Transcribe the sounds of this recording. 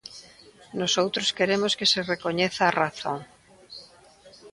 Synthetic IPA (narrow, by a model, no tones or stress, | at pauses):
nosowt̪ɾoskeɾemoskeserekoɲeθaːraθõ̰ŋ